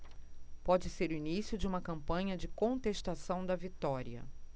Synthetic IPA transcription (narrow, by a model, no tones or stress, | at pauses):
pɔd͡ʒɪseɾʊinisjʊd͡ʒɪũmɐkɐ̃mpɐ̃ɲɐd͡ʒɪkõnt̪eʃt̪asɐ̃w̃d̪ɐvit̪ɔɾiɐ̰